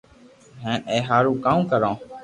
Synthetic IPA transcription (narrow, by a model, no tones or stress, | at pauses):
ɦɛ̃ːnẽːɦaːɾũːkaːũːkəɾõː